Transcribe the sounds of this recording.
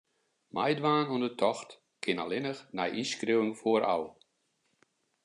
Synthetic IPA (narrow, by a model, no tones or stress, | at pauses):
majdʋaːnuəndətʰɔxt | kʰɪnalɪnəxnajʔiskriwɪŋfoəɾʔa̰w